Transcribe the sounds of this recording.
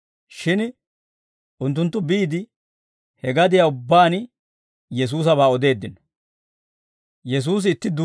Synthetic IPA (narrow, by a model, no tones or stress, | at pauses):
ʃɪn | ʔʊnt̪̬ːʊnt̪ːʊbiːd̪ɪ | hɛɡɐd̪ɪjaʊbːaːn | jɛs̬uːs̬ɐβaːɔd̪e̞ːd̪ːɪn | jɛs̬uːs̬ɪːt̪ːɪd̪u